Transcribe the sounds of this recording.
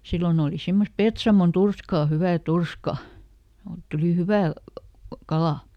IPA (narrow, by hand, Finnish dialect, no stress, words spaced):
silːon oːli simːost̆ petsɑmon turskɑˑ hyʋæˑ turskɑ oːt tuliˑ hyʋæˑ kɑlɑˑ